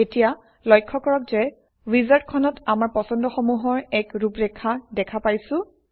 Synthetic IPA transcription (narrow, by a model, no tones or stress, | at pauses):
etija | lɔjkʰːɔkɔɹɔkzɛ | wizaɹtkʰɔnɔtamaɹpɔsɔndɔxomuɦɔɹɛkɹupɹɛkʰadɛkʰapajsʊ̃